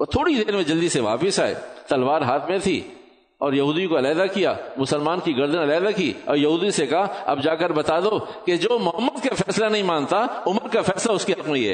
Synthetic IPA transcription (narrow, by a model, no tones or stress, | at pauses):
oːt̪ʰoːɽid̪eːɾmẽd͡ʒɐld̪iseʋa̰ːpɪsaːḛːt̪ɐlʋaːɾɦaːt̪ʰmẽt̪ʰḭ | ɔːɾjɐɦuːd̪ikoɐlaːd̪akija̰ːmʊsəlmaːnkiɡɐɾd̪ənɐlaːd̪akiːɔːɾjɐɦuːd̪isekɐɦaɐ̰bd͡ʒaːkəɾbɐt̪aːd̪oked͡ʒoːmʊɦəmːəd̪kafɛːslanɐɦĩmãːnt̪aʊməɾkafɛːslaʊskeɦɐqmẽɛ̰ː